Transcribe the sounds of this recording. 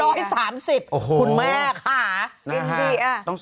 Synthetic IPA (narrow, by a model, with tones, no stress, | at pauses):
ɔː˥˩jsaː˩˦msi˨˩p̚ʔo˨˩hʰu˧˩nmɛː˥˩kʰaː˩˦ni˧n˦i˧˩a˧˩t̪ɔ˥˩ŋ